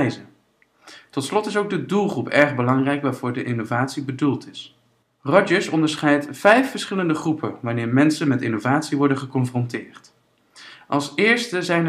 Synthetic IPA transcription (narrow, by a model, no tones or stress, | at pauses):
jzə | tɔtslɔtɪsowɡ̚dədulˠχrupʰɛɹχbəlɑŋrɛjkʋaːɹv̥ʊːɹdəʔɪnovaːtsibədulˠtɪs | rɔd͡ʒəɹsɔndəɹsχɛjtfɛjfəɹsχɪləndəχrupʰəʋanɪːɹmɛnsənmɛtɪnovaːtsiʋɔɹdənχəkɔnfrɔntɪːɹt | ʔɑlˠsɪːɹstəzɛjn